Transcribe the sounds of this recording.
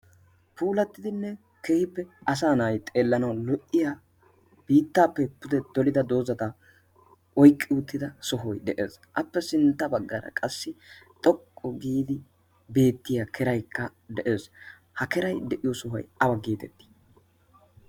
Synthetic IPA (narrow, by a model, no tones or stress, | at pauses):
pʰuːlɐt̪ːɪd̪ɪnːɛ | keːhɪpːɛɐs̬aːnaːjt̪ʼe̞ːlːɐnɐwlɔʔːɪjaː | b̥iːt̪ːaːpːɛpʊd̪ɛd̪̥ɔlɪd̪ɐd̪o̞ːzɐt̪ɐ | ɔjkʼːɪʊt̪ːɪd̪ɐsɔɦɔjd̪ɛʔe̞̰ːs | ʔɐpːɛsɪnt̪ːɐbɐɡːɐɾɐ̰kʼɐsːɪt̪ʼɔkʼːɔɡiːd̪ɪ | be̞ːt̪ːɪjakʰɛɾɐjkːɐd̪ɛʔeːs | hɐkɛɾɐjd̪ɛʔɪjɔsɔɦɔ̰jɐbɐɡeːt̪ɛt̪ːi̥